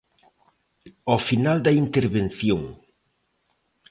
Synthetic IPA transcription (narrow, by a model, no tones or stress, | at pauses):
ɔfinald̪ɐint̪eɾβenθjoŋ